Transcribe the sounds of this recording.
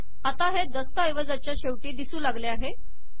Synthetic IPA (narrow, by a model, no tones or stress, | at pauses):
at̪aɦed̪əst̪əjʋəd͡zat͡ɕjaɕeʋʈiːd̪isuːlaɡleaɦe